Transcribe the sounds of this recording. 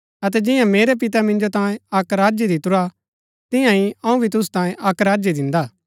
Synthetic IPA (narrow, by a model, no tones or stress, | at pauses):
ɐt̪ɛd͡ʒɪ̃jãmeːɾep̬ɪt̪amɪ̃nd͡ʒot̪ãːjẽɐkɾaːd͡ʒid̪ɪt̪ʊɾa | t̪ɪ̃jãiɐ̃ũbʱit̪̬ʊs̬u̥t̪ãːjẽʔɐkɾaːd͡ʒid̪ɪ̃nd̪aː